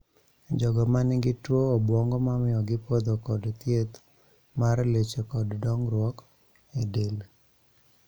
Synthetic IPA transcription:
d͡ʒɔɡɔmanɪɡɪtwoːbwɔŋɡɔmamɪɔɡɪpod̪okɔdt̪jet̪ | marlet͡ʃekɔddɔŋɾwɔk | edel

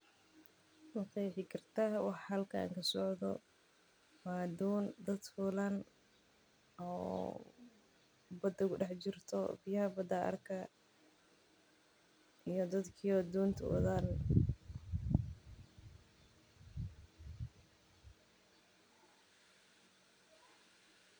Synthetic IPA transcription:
mɐqɛːħɪkʰɐrt̪ʰaːwɑħhɐlkʰaa̰ːŋkʰɐsɔʕðɔ̰ | maːd̪uːnd̪ɐd̪fuːlan | ɔ̰ː | bɐd̪ɐɡʊɖɛħt͡ʃɪrt̪ʰɔbɪjɐɦɐbɐd̪ɐʔɐ̰rkʰɐ | ijɔd̪ɐd̪kʰiɔd̪uːnt̪ʰɐ̰wɐ̰ðan

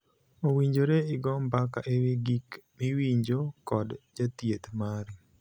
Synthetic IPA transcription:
owiɲd͡ʒoɾeɪɡɔmbakaʔeweɡikmiwiɲd͡ʒokɔdd͡ʒatjet̪maɾi

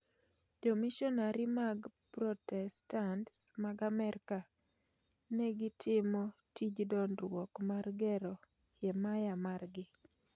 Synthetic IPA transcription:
domiʃɔnaɾɪmaɡpɾɔtɛstantsmaɡamɛɾka | nɛɡɪtʰɪmɔtid͡ʒdɔnrwɔkmarɡɛɾɔ | jɛmajamarɡɪ

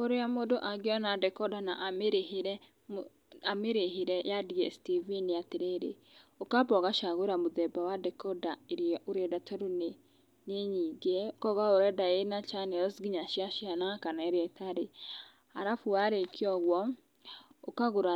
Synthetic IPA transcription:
oɾeamodoʔaɡjɔnadɛkɔdanaʔmeɾehɾɛ | ameɾeɦiɾɛjadiɛ̰stiviniateɾeɾḛ | okabɔɣaʃaɣoɾamoðɛbawadɛkɔdaeɾiɔʔoɾɛdatʰɔɾune | neɲiːɡeokɔɣaoɾɛdajenat͡ʃanejɔsɡiɲaʃiaʃianakanaɛɾeɛtʰaɾe | aɾafuaɾekʰiɔɣwɔ | okaɣoɾa

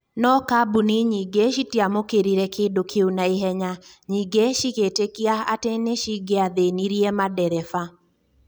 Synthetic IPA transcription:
nɔkabuniɲiɡeʃitiamokeɾiɾɛkedokʰeunaeɦɛɲa | ɲiɡeʃiketekiaa̰teneʃiɡeaðeniɾiɛmadɛɾɛfa

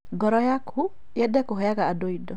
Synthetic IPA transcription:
ɡɔɾɔjakʰu | jɛdɛkɔɦɔjakaːdoidɔ

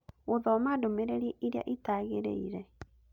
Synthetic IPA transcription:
ɣoðɔmadomeɾeɾeʔiɾea̰ʔetaɣeɾḛiɾɛ

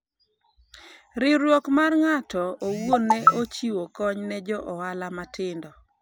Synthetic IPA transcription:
ɾɪɾwɔkmarŋatɔowwonːɛot͡ʃiwokɔɲnɛd͡ʒɔʔɔwalamatɪndɔ

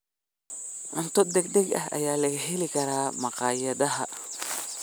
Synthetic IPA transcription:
ʕʊnt̪ʰɔd̪ɛɡd̪ɛɡɐ̰hɐ̰jaːlɐɣɐɦɛlɪkʰɐɾaːmɑqɑːjɐðɐɦɐ̰

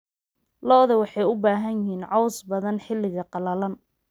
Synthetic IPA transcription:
lɔːðɐwɑħɑjʊbaːɦɐnjɪɦiːnʕɑwsbɐðɐnħɪlːɪɣɐqɑlɐlɐn

